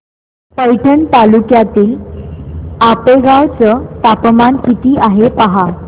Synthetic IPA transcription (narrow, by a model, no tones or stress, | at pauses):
pəjʈʰənt̪alukjat̪iːl | apeɡawt͡sət̪apmankit̪iːʔaɦepaɦa